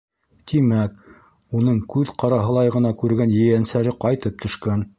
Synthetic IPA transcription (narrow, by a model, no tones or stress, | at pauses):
t̪imæk | unɤɴkʉðqɑɾɑɦɤ̆lˠɑjʁɤ̆nɑkʉɾɡænjɘ̆jænsæɾɘqɑjt̪ɤp̚t̪ʰɵ̆ʃkæn